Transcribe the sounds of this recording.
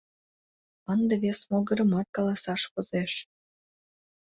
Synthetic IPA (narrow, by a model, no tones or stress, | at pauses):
ənd̪eβesmoɣəɾə̆mɑt̪̚kɑlɑsɑʃpozeʃ